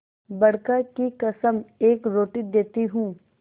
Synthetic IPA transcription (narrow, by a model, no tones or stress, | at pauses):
bɐɽ̤kakikɐsəmeːkɾoːʈid̪eːt̪iɦũː